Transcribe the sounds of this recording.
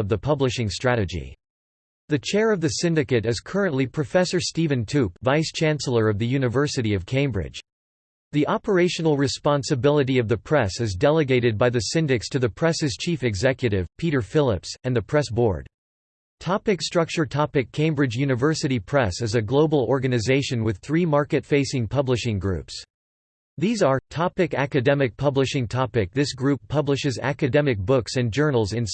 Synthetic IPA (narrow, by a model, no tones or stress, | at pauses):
ʌvðɨpʰʌblɨʃɪ̃ŋstɹ̥æɾɨd͡ʒḭ | ðɨt͡ʃʰɛɹʌvðɨsɪ̃ndɨkɨɾɨz̥kʰɜ˞ɨ̃nʔlipʰɹ̥ɨfɛsə˞stivɨ̃ntʰʉpvaɪst͡ʃʰæ̃nsl̩ˠə˞ʌvðɨjʉnɨvɜ˞sɨɾiʌv̥kʰẽɪ̃mbɹɪ̰d̥ʒ̥ | ðiʔɑpə˞eɪʃɨn̩l̩ˠɹɨspɑ̃nsɨbɪlˠəɾiʌvðɨpʰɹ̥ɛsɨzdɛlˠəɡeɪɾɨd̚baɪðɨsɪ̃ndɨkstʰɨðɨpʰɹ̥ɛsɨz̥t͡ʃʰifɨɡzɛkjɨɾɪv̥pʰiɾə˞fɪlˠɪpsɨ̃nðɨpʰɹ̥ɛsb̥ɔ̰ɹd̥ | tʰɑpɨkstɹ̥ʌk̚t͡ʃə˞tʰɑpɨkʰẽɪ̃mbɹɨd͡ʒjʉnɨvɜ˞sɨɾipʰɹ̥ɛsɨzɨɡloʊbl̩ˠɔɹɡɨnɨzeɪʃɨ̃nwɨð̥θɹimɑɹkɨtfeɪsɪ̃ŋpʰʌblɨʃɪ̃ŋɡɹʉ̰ps | ðizə˞tʰɑpɨkæ̰kɨdɛmɨk̚pʰʌblɨʃɪ̃ŋtʰɑpɨk̚ðɪsɡ̥ɹʉpʰʌblɨʃɨzæ̰kɨdɛmɨk̚b̥ʊksɨ̃nd͡ʒɜ˞nl̩ˠzɨ̃n